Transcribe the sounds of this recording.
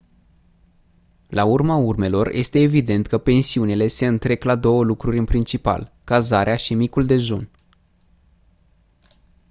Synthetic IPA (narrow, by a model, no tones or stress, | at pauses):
laurmaurme̞lo̞rjʔe̞̰st̪e̞ːvid̪e̞nt̪kəpe̞nsiunile̞se̞ɨnt̪ɾe̞klad̪o̞wəlukɾuɾʲɨnpɾint͡ʃipa̰l | kazaɾeaʃimikuld̪e̞ʒun